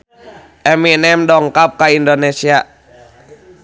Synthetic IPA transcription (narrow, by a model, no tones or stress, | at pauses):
ʔɛminɛmdɔŋkap̚kaindonesia